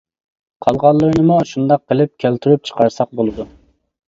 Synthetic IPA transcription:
qʰɑlˠʁɑlˠːɨɾɨnɨmuʃund̪ɑqːəlˠɪp̚kʲʰælt̪ʰyɾyp̚t͡ʃʰə̥qɑɾsɑq̚bolˠɨd̪u

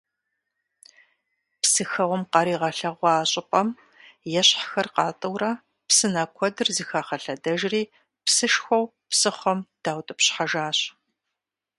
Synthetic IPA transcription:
psɨxɐʁʷɔmqɐɾiːʁɐɬɐʁʷɑaːɕʼɪpʼɐm | jɛɕħxɐrqɑːtʼɨwrɐ | psɨnɐkʷʰɔdɨrzɨxaːχɐɬɐdɐʒriː | psɨʃxʷɔwpsɨχʷɐmd̥aːwtʼɨpɕħaʒaːɕ

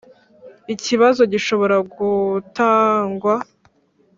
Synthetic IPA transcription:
iciβazo̞ɟiʃo̞βo̞ɾaɡutaːŋɡwa

